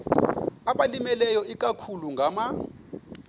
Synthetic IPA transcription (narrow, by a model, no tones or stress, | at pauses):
aɓalimɛlɛjɔik̬ʼakʰuluŋɡʱama